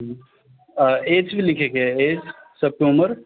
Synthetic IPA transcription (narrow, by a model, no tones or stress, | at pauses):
eːd͡ʒbʱilɪkʰekeeːd͡ʒsɐb̚keuməɾ